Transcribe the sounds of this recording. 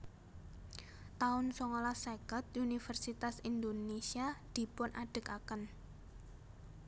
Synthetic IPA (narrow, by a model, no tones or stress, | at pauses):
t̪aʊnsɔŋɔlasekət̪unifərsit̪asind̪onesiad̪̥i̤pʊnʔaɖ̥ə̤kakən